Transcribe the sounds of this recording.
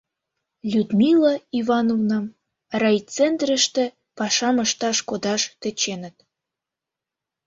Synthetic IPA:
lʲud̪mʲilɑiβɑnovnɑm | rɑjt͡sent̪rəʃt̪ĕ | pɑʃɑməʃt̪ɑʃkod̪ɑʃt̪ĕt͡ɕenə̆t̪̚

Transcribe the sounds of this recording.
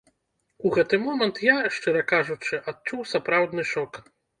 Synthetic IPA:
uɣɛt̪ɨmɔmɐnt̪jaʂt͡ʂɨɾɐkaʐut͡ʂɨʔat̪̚t͡ʂuwsapɾawd̪nɨʂɔk

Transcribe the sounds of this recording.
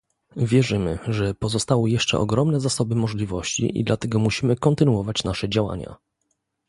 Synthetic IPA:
vʲjɛʐɘmɘ̰ʐɛpɔzɔst̪awɔjɛʂt͡ʂɛ̰ʔɔ̰ɡɾɔmnɛzasɔbɘmɔʐlʲivɔɕt͡ɕḭʔḭd̪lat̪ɛɡɔmuɕimɘkɔnt̪ɘnuɔvat͡ɕnaʂɛd͡ʑawa̰ɲa̰

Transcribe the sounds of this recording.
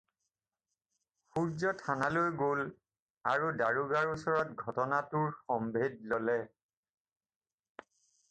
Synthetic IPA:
xuɹzɔtʰanalojɡol | aɹudaɹuɡaɹusɔɹɔt̚ɡʱɔtɔnatʊɹxɔmbʱed̚lolɛ

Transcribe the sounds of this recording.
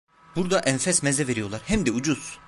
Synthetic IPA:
buɾd̪aʔɛnfɛsmɛzɛve̞ɾijo̞lˠaɾhɛmd̪iud͡ʒuz̥

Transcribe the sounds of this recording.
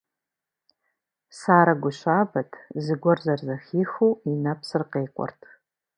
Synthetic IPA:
saːɾaɡʷʊʃʷabatʼzɨɡʷɔrzarzaxʲixuinapʰsɨrqejqʷʼa̰rtʼ

